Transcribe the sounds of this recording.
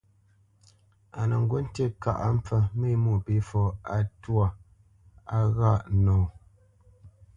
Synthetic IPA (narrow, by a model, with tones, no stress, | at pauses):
a˨nə˨ŋ̩˨ɡwo˦n̩˦te˦˨ka̰˨ʔa˦m̩˦p͡fə˦me˦mu˦˨pe˨˦fɔ˦a˨twa˨ | a˦ɣa˦˨ʔnɔ˨